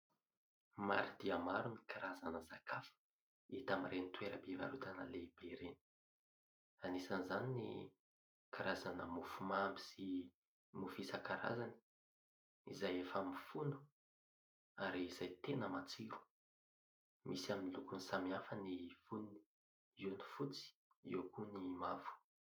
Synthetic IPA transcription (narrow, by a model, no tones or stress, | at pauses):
ma̰ɾid̪iamaɾunikʰaɾazanəzakafə̥ | it̪amiɾenit̪weɾəbeva̰ɾut̪anəleb̥eɾeni̥ | anisanizaninḭ | kʰaɾazanə̰mufumambi̥si | mufisakaɾa̰zani̥ | izajefəmifunu̥ | aɾiːzajt̪enəmat͡siɾu̥ | misaminilukunisamiafənifunni̥ | uni̥fut͡si̥ | iwkunimavu̥